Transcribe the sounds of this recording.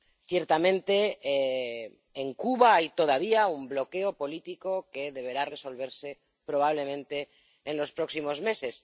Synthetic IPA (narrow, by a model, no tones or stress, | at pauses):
θje̞ɾt̪amẽ̞nt̪e̞ | ŋkuβaajt̪o̞ð̞aβ̞iaumblo̞ke̞o̞po̞lit̪iko̞ke̞ðe̞βe̞ɾare̞so̞lβ̞e̞ɾse̞ | pɾo̞β̞aβ̞le̞mẽnt̪e̞ː | nlo̞spɾo̞ksimo̞zme̞se̞s